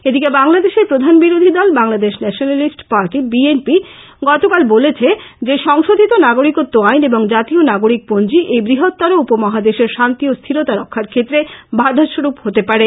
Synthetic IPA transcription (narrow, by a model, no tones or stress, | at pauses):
ed̪ikebaŋlad̪eʃeɾpɾod̪ʱanbiɾod̪ʱid̪ɔlbaŋlad̪eʃnɛʃonalisʈpaɾʈibienpi | ɡɔt̪okalbolet͡ɕʰed͡ʑeʃɔŋʃod̪ʱit̪onaɡoɾikot̪ːoajneboŋd͡ʑat̪ionaɡoɾik̚pond͡ʑiʔejbɾiɦot̪ːaɾoupomɔɦad̪eʃeɾʃant̪iost̪ʰiɾot̪aɾɔkʰːaɾkʰet̪ːɾebʱaɾd̪ʱaʃoɾupɦot̪epaɾe